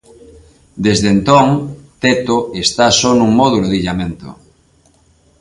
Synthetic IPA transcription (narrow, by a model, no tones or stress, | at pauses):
d̪ezðent̪oŋt̪et̪oest̪asonũŋmoðuloðiʎamẽnt̪o̰